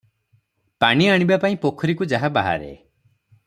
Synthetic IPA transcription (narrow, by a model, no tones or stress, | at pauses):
paɽ̃iaɽ̃ibapaĩpokʰɔɾikud͡ʒaɦabaɦa̰ɾḛ